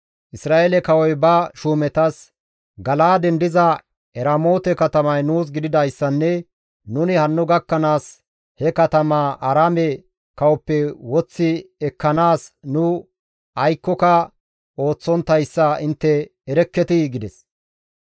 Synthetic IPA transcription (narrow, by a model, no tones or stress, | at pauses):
ʔɪsɾaːʔeːlɛkɐwɔjbɐʃuːmɛt̪ɐs | ɡɐlaːd̪ɛnd̪ɪzɐ | ɛɾɐmo̞ːt̪ɛkɐt̪ɐmɐjnuːs̬ɡɪd̪ɪd̪ɐjsːɐnːɛ | nʊnɪhɐnːʊɡɐkːɐnaːs | hɛkɐt̪ɐmaːʔɐɾaːmɛ | kɐwɔpːɛwɔt͡sːɪɛkːɐnaːsnʊ | ʔɐjkːɔkɐ | o̞ːt͡sːɔnt̪ːɐjsːɐɪnt̪ːɛːɾɛkːɛt̪ɪɡɪd̪ɛs